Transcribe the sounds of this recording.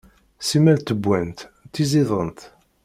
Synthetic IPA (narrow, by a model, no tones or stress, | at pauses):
simælt̪ːəbːænt̪t̪ːiziðˤənt̪